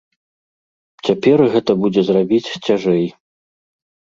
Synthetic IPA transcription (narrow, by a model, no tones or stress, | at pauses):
t͡sʲapʲɛrɣɛt̪ɐbud͡zʲɛzrabʲit͡sʲt͡sʲaʐɛj